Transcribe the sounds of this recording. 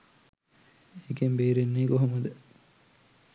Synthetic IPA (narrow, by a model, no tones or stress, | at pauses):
ekembeːɾenːeːkoɦomɐd̪ə